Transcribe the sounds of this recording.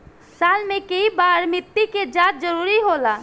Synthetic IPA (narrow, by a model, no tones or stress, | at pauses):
salmẽkəibaɾmɪt̪ːiked͡ʒat̪̚d͡ʒəɾuɾiɦola